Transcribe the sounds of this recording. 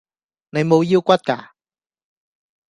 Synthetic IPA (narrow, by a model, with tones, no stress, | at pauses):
ne˨˧jmo˨˧wjiː˧wkʷɐ˥t̚ka̰ː˧